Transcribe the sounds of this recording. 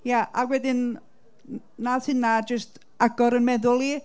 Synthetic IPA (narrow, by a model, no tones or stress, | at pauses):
jaʔawɛdɪn | naðhɪnːad͡ʒəst | aɡɔɾənmɛðʊlˠi